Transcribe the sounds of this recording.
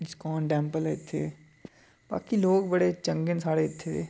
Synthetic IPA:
skɔːnɖɛ̃ːmpəlɪt̪ʰːḛː | ba̰ːkiloːɡbəɽet͡ʃə̃ŋɡənsaːɽeɪt̪ʰːet̪ʰeː

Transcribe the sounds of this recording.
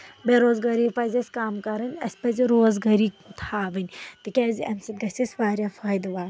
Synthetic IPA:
beɾoːzɡɐɾiːpɐzʲɐsʲkaːmkɐɾɐnʲɐ̰sʲpɐziɾoːzɡɐɾiːt̪ʰaːʋɐnʲt̪ɨkʲɛːziʔɐmsɐt̪̚ɡɐsisʲʋaːɾʲjaːfaːjd̪ʋaː

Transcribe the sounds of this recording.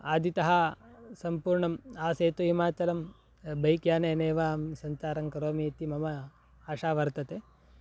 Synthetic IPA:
aːd̪ʱit̪ɐɦɐsɐmpuːɾɳɐmaːseːt̪uɦimaːt͡ʃɐlɐm | bɐjkjaːneːneːʋaːmsɐɲt͡ʃaːɾɐŋkɐɾoːmit̪imɐmɐ | aːʃaːʋɐɾt̪ɐt̪e

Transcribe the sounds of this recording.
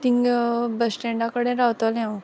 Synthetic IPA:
t̪iŋɡbəsʈẽɳɖakəɽẽɾawt̪olɦɛ̃w

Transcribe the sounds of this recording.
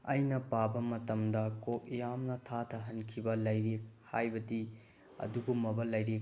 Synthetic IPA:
ɐjnɐpabɐmɐtɐmdɐkok̚ijamnɐtʰatʰɐɦɐnkʰibɐlɐjɾek̚hajbɐdi | ɐ̰duɡomɐbɐlɐjɾek̚

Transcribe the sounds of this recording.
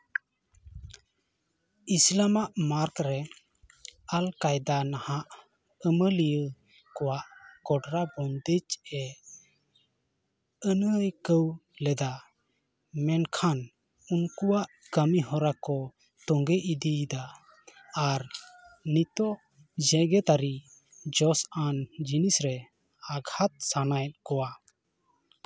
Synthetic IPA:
islamaʔmaɾkɾɛ | alkajd̪anahaʔ | əməlijə | kɔwaʔkɔɖɾabɔnd̪ət͡ʃɛ | ənəjkəwlɛd̪a | mɛnkʰan | unkuwaʔkəmiɦɔɾakɔ | t̪ɔŋɡɛʔid̪id̪aː | ɾnit̪ɔʔ | d͡ʒɛɡɛt̪aɾi | d͡ʒɔsand͡ʒinisɾɛ | aɡʱat̪̚sanajt̪̚ˀkɔwa

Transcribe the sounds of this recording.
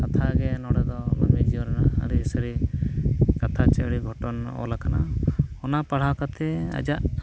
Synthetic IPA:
kat̪ʰaɡɛnɔɽɛd̪ɔma̰ɾmid͡ʒiɔɾanaa̰ɾisəɾi | kat̪ʰat͡ʃaɽiɡʱɔʈɔnɔ̰lakana̰ɔnapaɽ̤awkat̪ɛa̰d͡ʒaʔ

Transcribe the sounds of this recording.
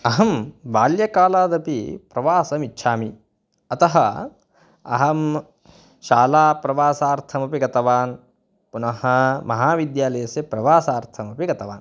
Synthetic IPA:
ɐɦɐmʋaːljɐkaːlaːd̪ɐpipɾɐʋaːsɐmitːʃʰaːmi | ɐt̪ɐɦɐ | ɐ̰ɦɐm | ʃaːlaːpɾɐʋaːsaːɾt̪ʰɐmɐpiɡɐt̪ɐʋaːn | punɐɦɐmɐɦaːʋid̪jaːlɐjɐsjɐpɾɐʋaːsaːɾt̪ʰɐmɐpiɡɐt̪ɐʋa̰ːn

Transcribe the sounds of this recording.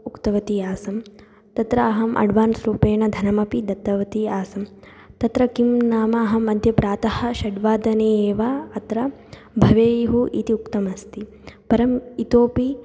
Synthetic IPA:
ukt̪ɐʋɐt̪iaːsɐm | t̪ɐt̪ɾɐːɦɐmʔɐ̰ɖʱʋaːnsɾuːpeːɳɐd̪ʱɐnɐmɐpid̪ɐt̪ːɐʋɐt̪iaːsɐm | t̪ɐt̪ɾɐkimnaːmɐːɦɐmɐd̪ʱjɐpɾaːt̪ɐhɐ̆ʃɐɖʋaːd̪ɐneːʋaɐt̪ɾɐ | bʱɐʋeːjɐɦuʔit̪iukt̪ɐmɐst̪i | pɐɾɐmit̪oːpi

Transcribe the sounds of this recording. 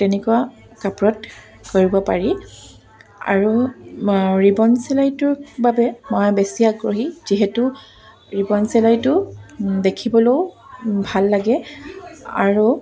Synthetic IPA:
tɛnɛkua | kapɹɔt | koɹibɔpaɹi | a̰ɹu | ɹibɔnsɛlajtʊɹbabɛmojbɛsiaɡɹɔɦiz̥iɦɛtu | ɹibɔnsɛlajtʊdekʰibɔlow | bʱalːaɡɛ | a̰ɹu

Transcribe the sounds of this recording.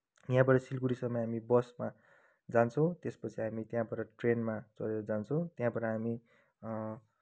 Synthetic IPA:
jãbʌʈʌsilkuɾisʌmːʌɦamibʌsma | d͡zant͡sʰʌw̃t̪espʌt͡sʰiɦamit̪jãbʌʈʌʈrenmat͡sʌ̰ɾeɾʌd͡zant͡sʰʌ̃w̃t̪jãbʌʈʌɦami

